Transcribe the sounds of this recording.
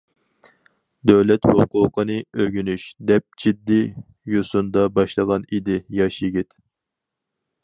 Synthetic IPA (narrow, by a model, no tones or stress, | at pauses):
d̪øwlɛt̪hoqʊːqʰənɨøɡʲynyʃd̪ɛp̚d͡ʒid̪ːi | josund̪ɑbɑʃlˠəʁɑnid̪ɪjɑʃjiɡʲit̪